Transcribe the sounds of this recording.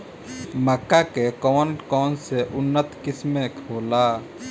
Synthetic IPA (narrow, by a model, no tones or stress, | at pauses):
məkːakekɔːnkɔːnseʔʊnːət̪kɪsmekɦoːlaː